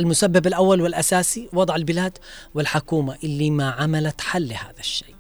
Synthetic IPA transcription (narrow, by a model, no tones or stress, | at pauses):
ʔalmʊsabːabalʔawːalwɪlʔasaːsiwɑd̪ˤʕalbɪlaːd̪wɪlħʊkuːmaʔɪlːimaʕamalat̪ħalːha̰ːðaʃːe̥ː